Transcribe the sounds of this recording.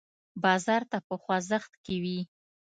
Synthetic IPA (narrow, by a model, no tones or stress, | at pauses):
bɑzɑɾt̪apəxwazəxt̪kewi